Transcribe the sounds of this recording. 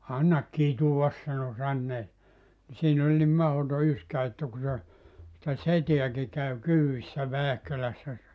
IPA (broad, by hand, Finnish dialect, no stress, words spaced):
ɑnːɑk kituʋɑs sɑno sɑnːeː ni siːn olʲ nim mɑhoto yskæ etːæ ku se sĭtæ seteæki kæw kyːisːæ ʋæːhkølæsːæ se